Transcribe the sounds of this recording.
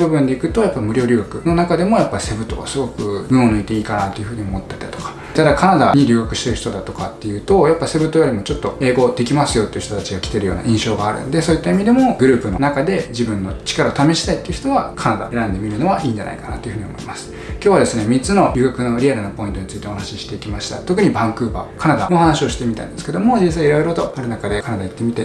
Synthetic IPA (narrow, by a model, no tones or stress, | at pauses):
bɯ̟bɯ̟̃nd̪e̞ikɯ̟t̪o̞japːaimɯ̟ɾʲo̞ːɾʲɨ̟ːɡakɯ̟no̞nakad̪e̞mo̞japːaɾʲise̞bɯ̟t̪o̰βa̰sɨɡo̞kɯ̟ɡɯ̟onɯ̟it̪e̞iːkanat̪ːe̞iɯ̟ɸɯ̟ːɲ̟io̞mo̞t̪ːet̪ːat̪okḁ | t̪ad̪akanad̪aɲ̟iɾʲɨːɡakɯ̟̥ɕi̥t̪e̞ɾɯ̟çi̥t̪od̪at̪o̞kat̪ːe̞jɯ̟ːt̪o̞japːaise̞bɯt̪ːojoɾʲimo̞t͡ɕo̞t̪ːo̞e̞ːɡo̞d̪e̞kʲimasɨjo̞t̪ːe̞iɯ̟ç̥ʲt̪ot̪at͡ɕiɡakʲi̥t̪e̞ɾɯ̟jo̞̰ːna̰ʔĩɕoːɡaːɾɯ̰nd̪e̞soːit̪ːaimʲid̪e̞mo̞ɡɯ̟ɾɯ̟ːpɯ̟no̞nakad̪e̞d͡ʑibɯ̟̃nːo̞t͡ɕi̥kaɾaot̪ame̞ɕi̥t̪ait̪ːeiɯ̟çi̥t̪o̞βakʰanad̪a̰e̞ɾãnd̪e̞mʲiɾɯ̟no̞βaʔiːɲd͡ʑa̰na̰ikana̰t̪ːo̞iɯ̟ɯ̟ɲ̟io̰mo̞imasɨ̥ | kʲoːβad̪e̞sɨne̞mʲit͡sɨno̞ɾʲɨːɡakɯ̟no̞ɾʲiaɾɯ̟nopo̞ĩnt̪o̞ɲit͡sɨit̪e̞ohanaɕiɕi̥t̪e̞ikʲimaɕi̥t̪a̰t̪o̞k̬ɯ̟ɲ̟ibãŋkɯ̟ːba̰kʰanad̪anoːhanaɕio̞ɕi̥t̪e̞mʲit̪a̰ḭ̃nd̪sɨ̥ke̞d̪o̞mo̞d͡ʑĩs̬aiɾo̞iɾo̞t̪o̞aɾɯ̟nakad̪e̞kanad̪ait̪ːe̞mʲit̪e̞